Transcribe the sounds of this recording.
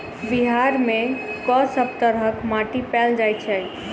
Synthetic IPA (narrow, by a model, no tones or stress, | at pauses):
biɦaɾmẽkɔsəb̚t̪əɾɦəkmaʈipɛld͡ʒajt͡ʃʰɛ